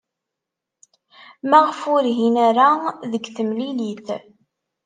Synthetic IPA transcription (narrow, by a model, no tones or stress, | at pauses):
mæʁəfʊɾɦinæɾaðəɡθəmliliθ